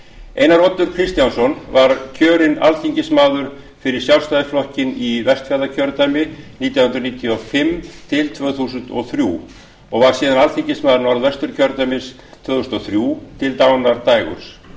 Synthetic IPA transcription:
ḛːjnaɾɔt̪ʏɾ̥kʰɾist̪jansɔnvaɾcʰœːɾɪna̰lθiɲcɪsmaːðʏɾ̥ | fɪɾɪɾ̥sjawlst̪ajðɪflɔhcɪnivɛst̪faɾðacʰœɾt̪ajmɪniːt̪jawhʏnt̪ɾaniːt̪ʰiɔfɪmt̪ʰɪlt̪ʰvœːθusʏnt̪ɔθɾjṵ | ɔɣvaɾ̥siːðanalθiɲcɪsmaːðʏɾnaɾðvɛst̪ʏɾ̥cʰœɾt̪ajmɪs | t̪ʰv̥œːθusnɔθɾjut̪ʰɪlt̪aːwnaɾt̪aːjɣʏ̰ɾ̥s

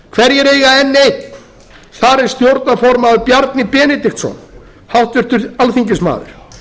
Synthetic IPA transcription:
kʰvɛɾjɛɾeːjɣaɛnːeːjt̪ | θaɾɛɾ̥st̪jowɾt̪nafɔɾmaʏpjaɾt̪nɪpɛːnɪt̪ixt̪sɔ̰n | hawht̪vɪɾ̥t̪ʏɾalθiɲcɪsma̰ːðʏ̰ɾ̥

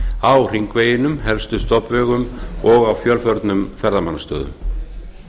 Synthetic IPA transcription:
awr̥iŋkveːjɪnʏmhɛlst̪ʏst̪ɔpvɛːɣʏmɔɣawfjœlfœɾt̪nʏmfɛɾðamanːast̪œ̰ːðʏ̰m

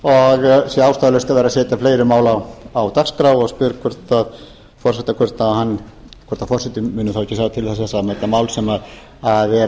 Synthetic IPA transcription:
ɔɣsjɛaːwst̪aːðlʏst̪aveːɾasɛːt̪afleːjɾʏmaːwlawawt̪akskɾawɔɣspʏɾkʰɛɾ̥t̪að | fɔr̥sɛt̪akʰvɛɾ̥t̪nahanː | kʰɛɾt̪afɔrsɛt̪ʏmʏːnʏθawɛcːɪsaːwt̪ʰɪlθɛs̬θɛsaðmaːjt̪amaːwlsɛmað | aðɛ

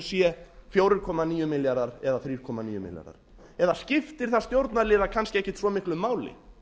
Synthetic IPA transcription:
sjɛfjowɾɪɾkʰɔːmaniːjʏmɪljaɾaɾɛðaθɾiːɾ̥kʰɔːmaniːjʏmɪ̰lja̰ɾða̰ɾ̥ | ɛðascɪft̪ɪɾ̥θḁst̪jowɾt̪naɾlɪːðakʰanscɪɛhcɪt̪svɔmɪhklʏmaːwlɪ̰

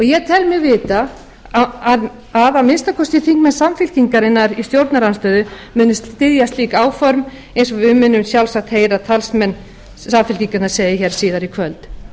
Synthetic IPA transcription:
ɔɣjɛɣt̪ʰɛlmɪɣvɪːt̪a | að | aðamɪnst̪akʰɔst̪ɪθiŋkmɛnsamfɪlciŋkaɾɪnːaɾist̪jowɾt̪naɾanst̪œːðʏ | mʏːnːʏst̪t̪ɪðjast̪liːkaːwfɔɾm | ejns̬ɔvʏmʏnːʏmsjawlsak̚t̪heːjɾat̪ʰalsmɛnː | samfɪlciŋkʏnḁseːjɪçɛːɾ̥siːðaɾikʰvœlt̪

